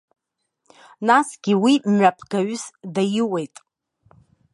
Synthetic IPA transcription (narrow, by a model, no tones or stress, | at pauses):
nasɡ̥ʲiwimɥʷapʰɡ̥aɥsdajiwe̞jtʼ